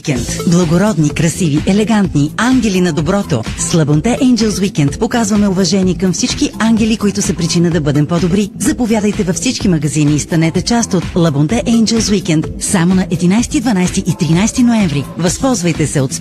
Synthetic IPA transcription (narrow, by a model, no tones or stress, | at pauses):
kɛnt̪blˠɐɡoɾɔd̪nikɾɐsiviʔɛlɛɡant̪niaŋɡʲɛlinɐd̪obɾɔt̪o̰slˠɐbont̪ɛʔɛjnd͡ʒɛlˠswikɛnt̪pokazvɐmɛʊvɐʒɛniɛkɐmfsit͡ʃkiaŋɡʲɛlikoit̪ʊsɛpɾit͡ʃinəd̪ɐbɤd̪ɛmpɔd̪obɾizɐpovjad̪əjt̪ɛvɐfsit͡ʃkimɐɡɐziniːst̪ɐnɛt̪ɛt͡ʃast̪ot̪lˠɐbont̪ɛʔɛjnd͡ʒɛlˠswikɛnt̪samonɐʔɛd̪inajst̪id̪vɐnajst̪iʔit̪ɾinajst̪inoɛɱvɾivɐspɔlˠzvɐjt̪ɛsɛot̪s